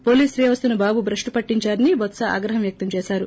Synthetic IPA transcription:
po̞ːliːsɾijɐʋɐst̪unubaːbubʱɾɐʂʈupɐʈːiɲt͡ʃaːɾɐniʋɔt̪sɐa̰ːɡɾɐɦɐmʋjɐk̚t̪ɐmt͡ʃɛːsaːɾu

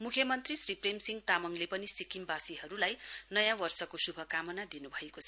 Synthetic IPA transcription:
mukʰjʌmʌnt̪risripremsiŋt̪amʌŋlepʌnisikimbasiɦʌɾulajnʌjãwʌrsʌkosubʱʌkamʌnad̪inubʱʌekot͡sʰʌ

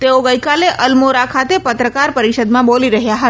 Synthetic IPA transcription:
t̪eoɡəjkaleʔəlmoɾakʰat̪epət̪ɾəkaɾpəɾiʃəd̪mãboliɾəɦjaɦə

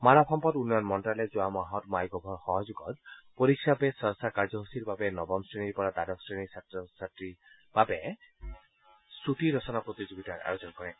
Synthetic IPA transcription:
maɾɔpʰɔmpɔtunːɔjɔnmɔntalɛzʊwamaɦɔtmajɡɔbʱɔɹxɔɦɔzuɡɔt̚poɹikʰːapɛsɔsakaɹzɔɦusiɹbabɛnɔbɔmsɹeniɹpɔɹadadɔksɹenisatsatɹi | b̥abɛ | sutiɹɔsɔnapɹot̪izoɡitaɹa̰ɹozɔnkɔɹɛ

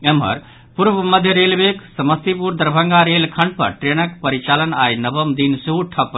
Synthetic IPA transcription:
emɦə̰ɾ | puɾʋəməd̪ʱjəɾelbeksəməst̪ipuɾd̪əɾbʱəŋɡaɾelkʰə̃ɳɖ̚pəɾʈɾenəkpəɾit͡ʃalənajnəbəmd̪insuuʈʰəpː

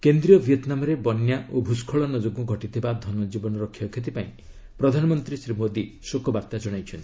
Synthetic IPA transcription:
kend̪ɾijɔbʱiɔt̪namɔɾebɔnjaʔobʱuskʰɔɭɔnɔd͡ʒoɡɔɡʱɔʈit̪ʰibad̪ʱɔnɔd͡ʒibɔnɔɾɔkʰːjɔkʰet̪̬ipaĩ | pɾɔd̪ʱanɔmɔnt̪ɾisɾimod̪i | sokɔbaɾt̪ad͡ʒɔɽ̃ajt͡ʃʰɔnt̪ii

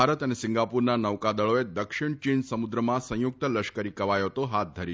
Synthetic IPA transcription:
aɾət̪ənesɪ̃ŋɡapuɾnanəʋkad̪əɭoed̪əkʃiɳt͡ʃinsəmud̪ɾəmãsə̃juk̚t̪ələʃkəɾikəʋajot̪oɦat̪̚d̪ʱəɾi

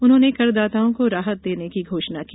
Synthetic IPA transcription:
ʊnɦõːnekɐɾd̪aːt̪aːõkoɾaːɦət̪̚d̪eːnekiɡʱoːʃnakiː

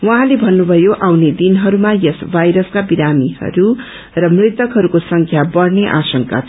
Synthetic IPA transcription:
wʌɦãlebʱʌnːubʱʌjoʔawned̪inɦʌɾumajʌsbʱajɾʌskabiɾamiɦʌ̰ɾu | rʌmrit̪ʌkɦʌɾukosʌŋkʰjabʌrneʔasʌŋka̰

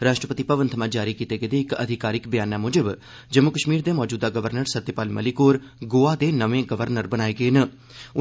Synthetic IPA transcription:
ɾaːʃʈɾəpət̪ipəʋənt̪ʰmãːd͡ʒaːɾiːkiːt̪eːɡəːd̪eːɪkə̰d̪ʱɪkaːɾɪkbjaːnaːmoːd͡ʒəb | d͡ʒəmʊkəʃmiːɾd̪eːmɔːd͡ʒuːd̪aːɡəʋəɾnəɾsət̪ːjəpaːlmə̰likoːɾ | ɡoːaːd̪eːnəʋẽːɡəʋəɾnəɾbənaːeːɡəeːnə | ʊ

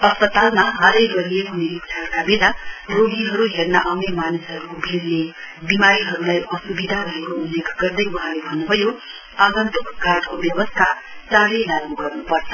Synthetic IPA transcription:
ʌspʌt̪almaɦaɾʌjɡʌɾieɦuneɾiksʰarkabelaroɡiɦʌɾuɦernaʔʌwnjemanisɦʌɾubʱelne | bimaɾiɦʌɾulajʌsubid̪ʱaɾʌɦekoulːjekɡ̥ʌrd̪ʌjuɦãlebʱʌnːubʱʌjo | aɡʌnt̪ukɡʱaʈkobjʌbʌst̪ʰat͡sãɾelaɡnuɡʌrnupʌrt͡sʰʌ̥

